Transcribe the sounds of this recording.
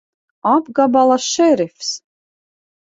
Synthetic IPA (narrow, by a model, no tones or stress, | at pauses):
abɡabalˠaʃɛɾefs